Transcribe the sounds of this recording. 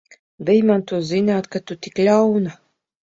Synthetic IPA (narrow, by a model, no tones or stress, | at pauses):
vʲɛjmant̪uɔzinaːt̪kat̪ut̪iklʲawna